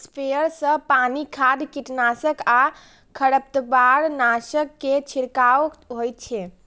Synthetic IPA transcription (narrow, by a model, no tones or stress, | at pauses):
spejəɾsə̃panikʰad̪kiʈnasəka | kʰəɽəp̚t̪əbaɾnasəkːet͡ʃʰiɾkaʋəkɦojt̪̚t͡ʃʰɛ